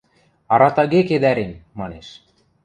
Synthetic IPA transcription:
ɑɾɑt̪ɑɣeked̪æɾemːɑneʃ

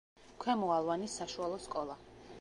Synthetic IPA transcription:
kʰwɛmɔalˠvanisːaʃualˠɔskʼɔlˠa

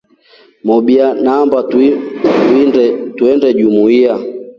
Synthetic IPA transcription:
mɔɓianaːmbat | tuɛndɛʄumuia

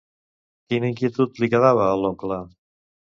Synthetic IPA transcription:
kinəiŋkiət̪ut̪likəðaβ̞əːloklə

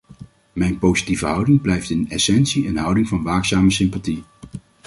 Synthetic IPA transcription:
mɛjnpowzitivəɦʌwdɪŋblɛjftɪnɛ̰sɛnsiənɦʌwdɪŋvɑnʋaːksaːməsɪmpati

